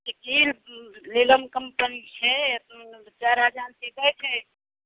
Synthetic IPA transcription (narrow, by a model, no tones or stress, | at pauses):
səkilleləmkəmpənit͡ʃʰɛ | t͡ʃaɾad͡ʒansed̪ɛt͡ʃʰɛ